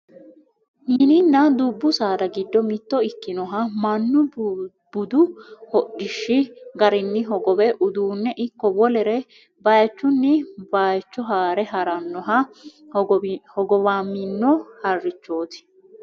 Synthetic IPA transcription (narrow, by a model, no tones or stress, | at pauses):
ninɪnːɐd̪ubːʊsaːd̪ɐɡɪd̪ːɔmɪt̪ːɔɪkːɪnɔɦɐmɐnːʊ | b̥ʊd̪ʊhɔɗɪʃːɪɡɐɾɪnːɪɦɔɡɔbɛʔʊd̪uːnːɛʔɪkːɔbɔlɛɾɛ | baːjt͡ʃːʊnːɪbaːjt͡ʃːɔɦaːɾɛɦɐɾɐnːɔɦɐ | hɔɡɔβaːmːɪnːɔhɐrːɪt͡ʃːoːt̪ɪ̥